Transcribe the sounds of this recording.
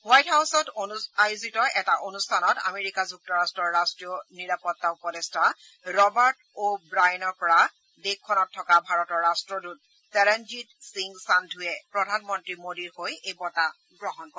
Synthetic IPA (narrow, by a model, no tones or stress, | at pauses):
wajthawsɔtoajuzitɔɛtaʔonustʰanɔta̰meɹikazuk̚tɔɹastɹɔɹːastɹijɔniɹapɔtːaupɔdesta | ɹɔbaɹt | obɹajɔnɔɹpɔɹa | dekʰːɔnɔtʰːɔkabʱaɹɔtɔɹːastɹɔdut̚ | tɛɹɛnd͡ʒitsiŋɡsandʱujɛpɹɔdʱanmɔntɹimodiɹhojejbɔta | ɡɹɔɦɔnkɔɹɛ